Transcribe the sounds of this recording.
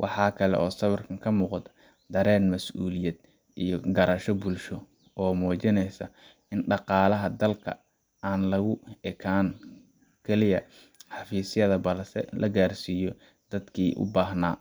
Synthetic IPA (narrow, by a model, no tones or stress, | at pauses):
wʔɑ̰ħɑːkʰɐlɛ̰ʔɔːsɐβɐrkʰɐŋkʰɐmuːqd̪ | d̪ɐɾɛːnmɐsʔuːlɪjɐd̪ | ijɔɡɐɾɐʃɔbulʃɔ | ɔːmɔːt͡ʃɪnɛjsɐ | ɪnɖɑqɑːlɐɦɐd̪ɐlkʰɐ̰ | aːnlɐɣʊɛkʰaːn | kʰɛlɪjɐ | ħɑfiːsjɐðɐbɐlsɛ̰lɐɡaːrsiːjɔ | d̪̥ɐd̪kʰiːʔʊ̰baːɦnaː